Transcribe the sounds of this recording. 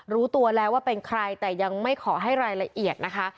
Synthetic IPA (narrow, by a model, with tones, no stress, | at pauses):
ɾuː˦˥t̪u˧ɐlɛː˦˥waː˥˩pe˧nkʰɾa˧jt̪ɛː˨˩ja˧ŋma˥˩jkʰɔː˩˦ɦa˥˩jɾaː˧jla˧ʔi˨˩ət̪̚na˦˥kʰa˦˥